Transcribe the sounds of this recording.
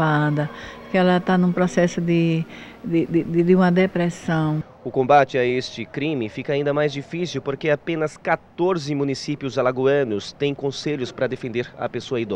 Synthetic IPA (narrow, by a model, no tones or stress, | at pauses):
ad̪ɐkɪɛlɐt̪anũpɾɔsɛsʊd̪ɪ | d̪ɪd̪ɪd̪ɪd̪ɪũmɐd̪epɾɛsɐ̃w̃ | ʊkõbat͡ʃɪaest͡ʃɪkɾĩmɪfikɐaĩnd̪ɐmajzd͡ʒifisiwpoɾkeapẽnɐskat̪oɾzɪmũnisipjʊzalaɡuɐ̃nʊst̪ẽj̃kõseʎʊspɾɐd̪efẽnd̪eɾɐ̰pesoɐid̪ɔ